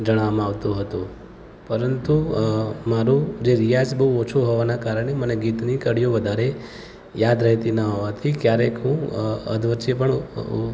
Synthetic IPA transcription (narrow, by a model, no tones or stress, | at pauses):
d͡ʒəɽ̃amaʋt̪ũɦət̪ũ | pəɾənt̪umaɾũd͡ʒeɾijad͡ʒbəɦuot͡ʃʰuɦoʋanakaɾəɽ̃eməneɡit̪nikəɽijoʋəd̪ʱaɾe | jad̪ɾəɦt̪inəɦoʋat̪ʰikjaɾekɦũə̰d̪ʋət͡ʃəpəɳ